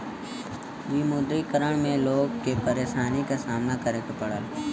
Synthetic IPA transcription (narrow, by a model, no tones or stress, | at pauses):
ʋiːmʊd̪ɾikəɾəɽ̃mẽloːɡ̚kepəɾeːʃaːnikasaːmnakəɾeːkapɐɽəl